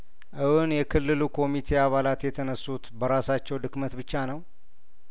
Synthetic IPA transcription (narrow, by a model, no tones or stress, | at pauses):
ʔɨhunjɛkʰɨlːɨlukʰo̞mit̪ʰe̞aβalat̪jɛt̪ʰənəsːut̪bəɾasat͡ʃːɛwd̪ɨkmət̪bɨt͡ʃːanəw